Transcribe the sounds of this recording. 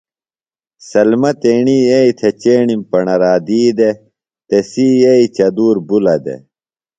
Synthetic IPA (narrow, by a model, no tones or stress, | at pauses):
sɐlmɐt̪eːɳieit̪ʰet͡ɕeːɳimpɐɳɐɾaːd̪iːd̪e | t̪esiːeit͡ɕɐd̪uːɾbulɐd̪ḛ